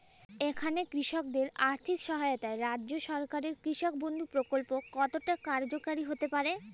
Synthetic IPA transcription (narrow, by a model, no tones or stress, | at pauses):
ekʰanekɾiʃok̚d̪eɾaɾt̪ʰikʃɔɦajot̪aeɾadːʑoʃɔɾkaɾeɾkɾiʃok̚bond̪ʱupɾokolpokɔt̪oʈakaɾd͡ʑokaɾiɦot̪epaɾe